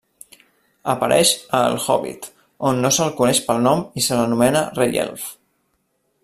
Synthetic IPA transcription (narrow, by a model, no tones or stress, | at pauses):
əpəɾʔɛ̰ʃəlˠxɔ̰βḭt̪ | onːosəlˠkunɛʃpəlˠnɔmisələnumɛnərejɛ̰lf